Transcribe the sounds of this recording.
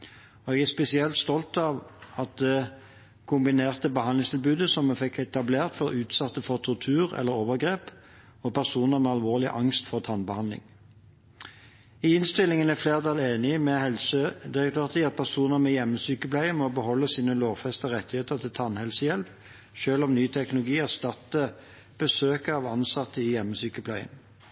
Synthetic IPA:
ɔɛɡæʁspɛsɪɛlt̪st̪ɔlt̪ɑʋɑt̪̚d̪ɛ | kʰʊmbɪneːʁt̪əbəhɑnlɪŋst̪ʰɪlbʉːd̪əsɔmːɛfɛkʰːɛt̪ɑbleːʁt̪fɔʁʉːt̪sɑt̪ːəfɔʁt̪ʰɔʁt̪ʰʉːʁɛ̰lːəʁoːʋəʁɡʁeːp | ɔpʰæʁsuːnəʁmɛɑlʋoːʁlɪ̰ʔɑŋst̪fɔʁt̪ʰɑnbəhɑnlɪ̰ŋ | ɪɪnst̪ɪlːɪŋənæfleːʁd̪ɑːleːnɪmɛhɛlsəd̪ɪʁək̚t̪ʰøːʁt̪ʰɪːɑt̪̚pʰæʁsuːnəmɛjɛmːəsyːkəplæɪəmɔbəɦɔlːəsiːnəloːʋfɛst̪əʁɛt̪ːɪheːt̪əʁt̪ʰɪlt̪ʰɑnhɛlsəjɛlʋ | ʃøːlɔmnyːt̪ʰɛknʊlʊɡiːæʁst̪ɑt̪ːə | b̥əsøːkəɑʋɑnsɑt̪ːəɪjɛmːəsyːkəpʰlæɪə̰n

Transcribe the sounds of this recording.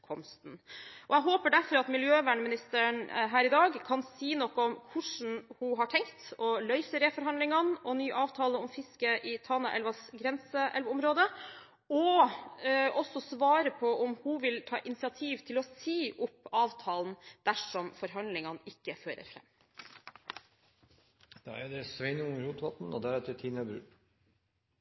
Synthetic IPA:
kʰɔmst̪nʔɔɛɦoːpəɖæɾfɔɾɑt̪mɪljøːʋæːɳəmɪnɪst̪əɳɦæːɾɪd̪ɑːɡkʰɑnsiːnɔkːɔɔmkʰʊʂn̩hʊɦɑʈʰɛŋkt̪ɔlœʏsəɾefɔɾɦɑnd̪lɪŋɑnɔnyːʔɑːʋt̪ʰɑːləɔmfɪskəʔɪt̪ʰɑnɑʔɛ̰lʋɑsɡɾɛnsəʔɛlʋɔmɾoːd̪ə | ɔ | ʔɔsɔsʋɑːɾəpʰɔʔɔmhuʋɪlt̪ʰɑ̰ːʔɪnɪsɪɑt̪ʰiːʋt̪ʰɪlɔsiːʔʊpːɑːʋt̪ʰɑːln̩d̪̥æʂɔmfɔɾɦɑnlɪŋɑnɪkːəføːɾə̰ɾfɾɛ̰mː | d̪̥ɛ̰æd̪ɛsʋɛɪnəʊŋɾhuːt̪ʋɑt̪n̩ɔ̰d̪æɾɛt̪ʰət̪ʰiːnəbɾʉ̰ː

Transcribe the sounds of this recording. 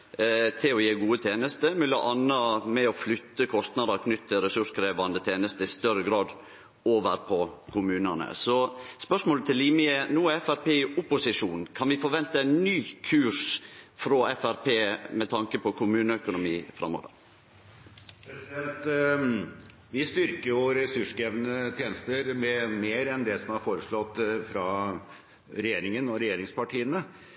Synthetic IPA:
t̪ʰɪlɔjeːɡuːət̪ʰeːnəst̪əmʉlɑ̰ʔɑnːɑmɛɔflʏt̪ːəkʰɔst̪nɑd̪əɾkʰnʏt̪ːəɾɛsʉʂkʰɾeːʋɑnd̪ət̪ʰeːnəst̪əɪst̪œɾəɡɾɑːd̪ | oːʋəɾpʰɔkʰʊmʉːnɑnə̰sɔspœʂmoːlət̪ʰɪlːiːmɪənuːɛfæɾpʰeːʊpʊsɪʂuːnkʰɑnʋɪfɔɾʋɛnt̪əɛnːyːkʰʉːʂfɾɔʔɛfæɾpʰeːmɛt̪ʰɑŋkəpʰɔkʰʊmʉːnəœkʊnʊmiːfɾɑ̰mːo̰ːʋə̰ɾ | ɛsɛlt̪ | ʋɪst̪ʏɾkəɾjʊɾɛsʉʂɡɛʋnət̪ʰjeːnəst̪əɾmɛmeːɾɛnd̪ɛsɔmæɾfoːɾəʂɭɔt̪ːfɾɑ | ɾɛjeːɾɪŋənɔɾɛjeːɾɪŋspɑʈʰiːənə

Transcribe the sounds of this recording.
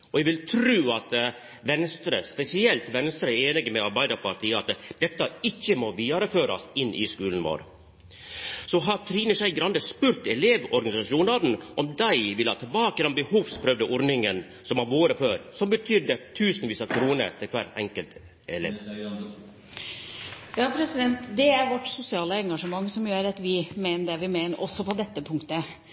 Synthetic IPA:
ʔɔɛʋɪlt̪ʰɾʉːɑt̪ | ʋɛnst̪ɾəspɛsɪɛlt̪ʋɛnst̪ɾəeːnɪɡəmɛɑɾbæɪd̪əɾpɑɾt̪ʰiːɑt̪d̪̥ɛt̪ːɑɪçːəmɔʋiːɑɾəføːɾɑ̰sɪnːʔɪ̰skʉːln̩ʋo̰ːɾ | sɔɦɑɾt̪ʰɾiːnəʂæɪɡɾɑnd̪əspʉɾt̪ɛleːʋɔɾɡɑnɪsɑʂuːnɑd̪n̩ʔɔmd̪æɪʋɪlːɑt̪ʰːɛlbɑːkəd̪ɑmbəhuːʋspʰɾœʋd̪əʔɔɾnɪŋən | sɔmɑʋoːɾəføːɾsɔmbət̪ʰʏd̪ət̪ʰʉːsnʋiːsəkʰɾuːnə̰t̪ʰɪlkʰʋæ̰ɾɛ̰ŋkəlt̪ | ɛlḛː | jɑːpʰɾɛsɪd̪ɛnt̪d̪ɛæɾʋɔʈːsʊsɪɑːləɛŋɡɑʂəmɑŋːsɔmjøːɾɑt̪ʋɪmeːnəɖɛʋɪmeːnəɾʔɔsːɔpɔd̪ɛt̪ːəpʰʊŋkt̪ə

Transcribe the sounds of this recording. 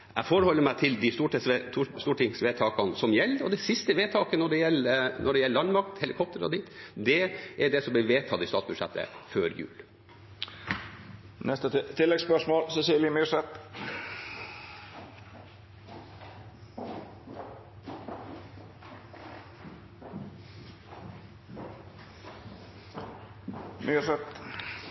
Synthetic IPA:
ʔæɪfɔːɾəhɔlːəɾmæɪt̪ʰɪld̪ɪst̪uːʈɪsst̪uːʈɪŋsʋeːt̪ʰɑːkɑnsɔmjɛlːɾɔ̰d̪ɛsɪst̪əʋeːt̪ʰɑːkənɔɖɛjɛlːnʔɔɖɛjɛlːəlɑnmɑk̚t̪hɛlɪkʰɔp̚t̪əɾɔ̰d̪it̪d̪ɛʔæɖɛsɔmb̪ɪʋeːt̪ʰɑt̪ɪst̪ɑːt̪sbʉd̪ʂɛ̰t̪ːə̰føːɾjʉ̰ːl | nɛst̪ət̪ʰɪlːɛɡspœʂmoːlsɛsiːljəmyːʂɛt̪ | mysɛt̪

